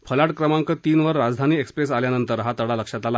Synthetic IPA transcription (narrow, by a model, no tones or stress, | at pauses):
fəlaʈkɾəmaŋkət̪iːnʋəɾːad͡zd̪ʱaniːekspɾesaljanənt̪əɾɦat̪əɽaləkʂat̪ala